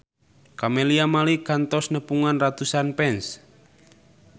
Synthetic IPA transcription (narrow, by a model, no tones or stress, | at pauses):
kameliamalikant̪ɔsnəpuŋanrat̪usanpɛns